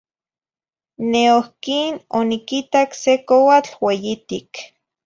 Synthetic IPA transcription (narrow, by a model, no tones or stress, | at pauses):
neohkinonikit̪aksekowat͡ɬwejit̪ik